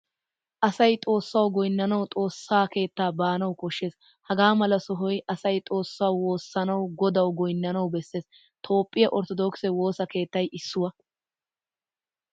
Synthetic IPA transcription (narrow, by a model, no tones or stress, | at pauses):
ʔɐsɐjt̪ʼo̞ːsːɐwɡɔjnːɐnɐwt̪ʼo̞ːsːaːke̞ːt̪ːaːbaːnɐwkɔʃːe̞ːs | hɐɡaːmɐlɐsɔɦɔjʔɐsɐjt̪ʼo̞ːsːaːwwo̞ːsːɐnɐwɡɔd̪ɐwɡɔjnːɐnɐwbɛsːe̞ːs | t̪ʰo̞ːpʼːɪjɐʔɔɾt̪ɔd̪ɔksɛwo̞ːsɐke̞ːt̪ːɐjʔɪsːʊwɐ